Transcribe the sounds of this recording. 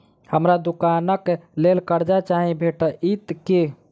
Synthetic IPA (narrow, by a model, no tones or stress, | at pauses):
həmɾad̪ukanəklelkəɾd͡ʒat͡ʃaɦĩbʱeʈəʔit̪ke